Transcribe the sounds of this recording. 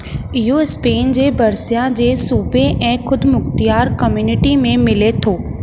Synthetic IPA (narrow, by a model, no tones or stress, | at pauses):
ɪɦoɪspeːnd͡ʑeːbɐɾsijãd͡ʑeːsuːbʱeʔɛ̃ːxʊd̪mʊxt̪ijaːɾkɐmjuːnɪʈimẽmɪlet̪ʰoː